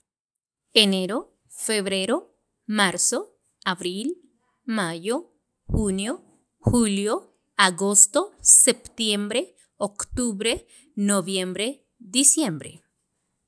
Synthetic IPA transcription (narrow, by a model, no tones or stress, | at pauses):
eneɾo | feβɾeɾo | maɾso | aβɾil | majo | xunjo | xuljo | aɣost̪osept̪jembɾe | okt̪uβɾe | noβjembɾe | d̪isjembɾḛ